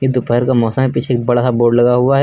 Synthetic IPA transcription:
jed̪ʊpɛɦəɾkamɔːsamepiːt͡ʃʰeːk̚bɐɽasaboːɾɖlɐɡaɦʊaɦɛ

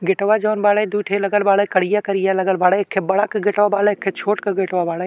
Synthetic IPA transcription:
ɡɪʈʋad͡ʒɔːnbaːled̪uːʈʰelɐɡəlbaːlekɐɽijakɐɾijalɐɡəlbaːɽekʰːeːbɐɽakɡʱɪʈʋabaːlekʰːeːt͡ʃʰoːʈkəɡeʈʋabaːle

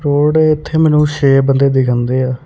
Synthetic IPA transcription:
ɾoːɽɛɪt̪ʰːeːmɛːnũːʃeːbənd̪eːd̪ɪkʰə̃nd̪eːaː

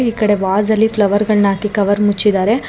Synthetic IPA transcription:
iːkɐɽe̞ʋaːzɐlːiplɐʋɐɾɡɐɭnaːkikɐʋɐɾmut͡ʃːid̪aːɾe̞

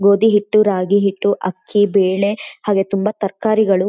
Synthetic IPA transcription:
ɡoːd̪iɦiʈːuɾaːɡiɦiʈːuʔɐkʰːibeːɭe̞ɦaːɡe̞t̪umbɐt̪ɐɾkaːɾiɡɐɭu

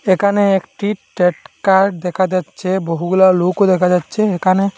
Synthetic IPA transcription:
ekʰaneekʈiʈeʈkaɾɖd̪ɛkʰad͡ʑatːʃʰeboɦuɡulalokod̪ɛkʰad͡ʑatːʃʰeekʰane

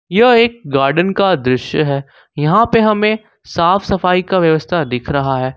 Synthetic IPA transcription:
jɐeːk̚ɡaːɾɖənkad̪ɾɪʃjəɦɛː | jɐɦãpeɦɐmẽ | saːfsɐfaːikaʋjɐʋəst̪ʰad̪ɪkʰɾɐɦaɦɛː

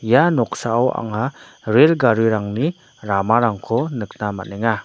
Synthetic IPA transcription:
janɔksaawa̰ŋaɾelɡaɾɯɾaŋni | ɾamaɾaŋkʰɔnɯk̚namanɛŋa

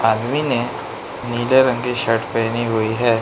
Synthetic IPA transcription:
aːd̪mine | niːleɾə̃ŋɡiʃɐʈʰpɛːniɦʊiɦɛː

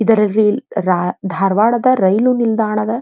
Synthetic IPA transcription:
id̪ɐɾɐlːiɾad̪ʱaːɾʋaːɭɐd̪ɐɾɐjlunild̪aːɳɐd̪ɐ

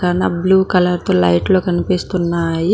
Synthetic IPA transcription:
ɐnːa̰ːbluːkɐlɐɾt̪oːlɐjʈlo̞ːkɐnipist̪unːaːji

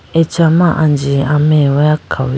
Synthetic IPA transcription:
et͡ʃamaʔand͡ʒiamewajakʰaw

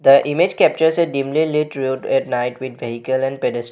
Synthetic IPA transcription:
d̪əʔɪmed͡ʒkɛp̚t͡ʃəɾsɛɖĩːmliliʈɾuɖɛʈnaɪʈʋɪd̪ʋeɦikəlɛ̃ɳɖpeɖɛsʈ

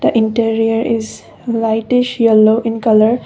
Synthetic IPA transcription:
d̪̥əʔɪ̃ɳʈiɾiəɾɪz | laɪʈɪʃjɛloːʔɪ̃nkʌləɾ

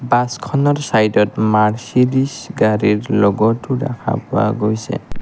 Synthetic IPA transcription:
baskʰɔnɔɹsajdɔtmaɹsilisɡaɹiɹlɔɡɔtuɹa̰kʰa̰pʊa̰ɡojsɛ̰

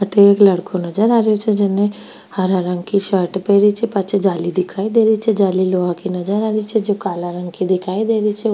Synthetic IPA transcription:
ɐʈeekləɽkʰonəd͡ʒəɾaːɾjot͡ʃʰed͡ʒɪne | həɾaɾəŋkiʃəʈpeɾit͡ʃʰɛpat͡ʃʰed͡ʒaːlid̪ɪkʰaːid̪eːɾit͡ʃʰɛd͡ʒaːliloakinəd͡ʒəɾaːɾit͡ʃʰed͡ʒokaːlaɾəŋkid̪ɪkʰaːid̪eɾit͡ʃʰɛ

